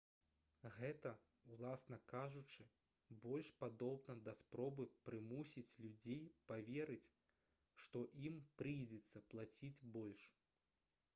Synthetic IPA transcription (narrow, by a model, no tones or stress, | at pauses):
ɣɛt̪ɐ | ulˠasnɐkaʐut͡ʂɨ | bɔlʲʂpad̪ɔbnɐd̪ɐspɾɔbɨpɾɨmusʲit͡sʲlʲud͡zʲejpavʲɛɾɨt͡sʲ | ʂt̪ɔʔimpɾɨjd͡zʲɛt̪sːɐplˠat͡sʲid͡zʲbɔlʲʂ